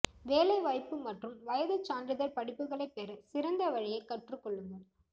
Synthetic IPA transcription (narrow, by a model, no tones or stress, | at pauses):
ʋeːlɐɪʋɐɪpːɯmɐʈrɯmʋɐjɐðɯt͡ʃːaːnɖrɪðɐlpɐɽɪpːɯɣɐɭɐɪpːeɾɐsɪɾɐnd̪ɐʋɐɻɪjɐɪkɐʈrɯkːɔɭːɯnd̪ɐ